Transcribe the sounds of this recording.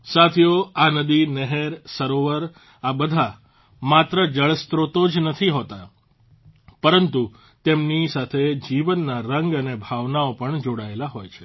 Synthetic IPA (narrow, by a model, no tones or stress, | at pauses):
sat̪ʰjoanəd̪inɛɦeɾsəɾoʋəɾ | abəd̪ʱa | mat̪ɾəd͡ʒəɭst̪ɾot̪od͡ʒnət̪ʰiɦot̪a | pəɾənt̪u | t̪emnisat̪ʰed͡ʒiʋənːaɾəŋɡənebʱaʋnaopəɳd͡ʒoɽaelaɦojt͡ʃʰe̥